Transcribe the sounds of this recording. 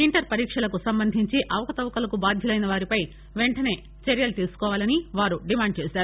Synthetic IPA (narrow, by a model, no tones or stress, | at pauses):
iɳʈɐɾpɐɾiːkʂɐlɐkusɐmbɐnd̪ʱiɲt͡ʃiʔɐʋɐkɐt̪ɐʋɐkɐlɐkubaːd̪ʱjɐlɐjnɐʋaːɾipɐj | ʋe̞ɳʈɐne̞ː | t͡ʃɐɾjɐlt̪iːɾsu̥kɔːʋaːlɐniʋaːɾuɖimaːɳɖ̚t͡ʃeːsaːɾuu